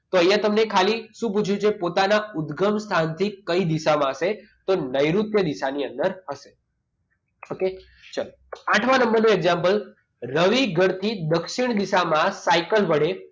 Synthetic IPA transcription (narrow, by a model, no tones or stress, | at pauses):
t̪oəjãt̪əmnekʰaliʃũp̬ut͡ʃʰjũt͡ʃʰepot̪anaʊd̪ɡəmst̪ʰant̪ʰikəid̪iʃamãəʃe | t̪onəjɾut̪jəd̪iʃaniə̃nd̪əɾhəʃe | oke | t͡ʃal | aʈʰʋãnəmbəɾnũeɡzãmpəl | ɾəʋiɡʱəɾt̪ʰid̪əkʃiɳ̃d̪iʃamãsajkəlʋəɽe